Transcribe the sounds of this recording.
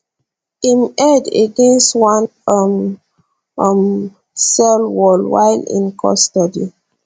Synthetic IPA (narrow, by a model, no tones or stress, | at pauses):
imɛdeɡẽnstwãnm | m | sɛlwɔlwa̰jlḭ̃nkʰɔ̰stɔdi